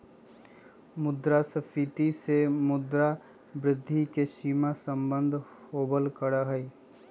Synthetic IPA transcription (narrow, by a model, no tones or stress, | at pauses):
mʊd̪ɾasəfʰit̪isemʊd̪ɾa | bɾɪd̪ʱːikesiːmasə̃mbə̃nd̪ʱhoːbəlkəɽaɦɛi